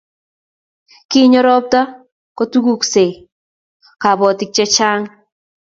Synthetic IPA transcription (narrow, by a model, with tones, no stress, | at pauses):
kɪ˦ɲɔ˦ɾɔ˦p̚ta˦ | ko˦tu˦ku˦kse˨ | ka˨bɔ˨tɪ˦k̚t͡ʃɛ˦t͡ʃaː˦ŋ